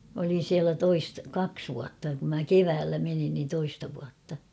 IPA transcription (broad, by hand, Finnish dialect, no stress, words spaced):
m olin̞ siælæ toist kɑks ʋuɑtːɑ kum mæ keʋæːlːæ menin nin toistɑ ʋuɑtːɑ